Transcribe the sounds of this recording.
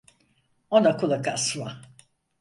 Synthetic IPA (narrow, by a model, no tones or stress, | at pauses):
onakʰulˠakasla